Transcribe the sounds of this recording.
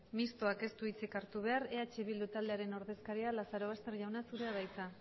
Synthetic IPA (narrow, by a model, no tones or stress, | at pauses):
mist̪oake̞st̪uit͡sikaɾt̪uβ̞e̞aɾe̞at͡ʃeβild̪ut̪ald̪e̞aɾe̞no̞ɾðe̞skaɾialasaɾo̞βast̪e̞ɾʝawnasuɾeaðajt͡sa